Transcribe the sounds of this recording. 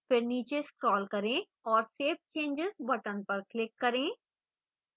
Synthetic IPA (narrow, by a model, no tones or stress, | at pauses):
fɪɾniːt͡ʃeskɾɔːlkɐɾẽː | ɔːɾseːp̚t͡ʃẽːnd͡ʒɪzbɐʈənpɐɾklɪkːɐɾẽː